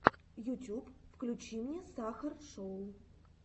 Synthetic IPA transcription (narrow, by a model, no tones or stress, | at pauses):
jʊtʲupfklʲut͡ɕimnʲesaxərʂoʊ